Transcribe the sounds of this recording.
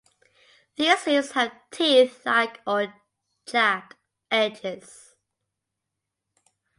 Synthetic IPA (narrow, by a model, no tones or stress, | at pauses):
ðiɔsiz̥həv̥tʰiθlaɪkə | d͡ʒæk | ɛd͡ʒɪz̥